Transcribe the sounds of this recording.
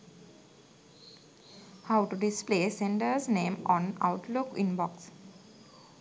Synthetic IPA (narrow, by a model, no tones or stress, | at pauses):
haʊʈuɖɪspleːsẽɳɖəɾznẽːmɔ̃ːna̰ʊʈlukĩnbɔks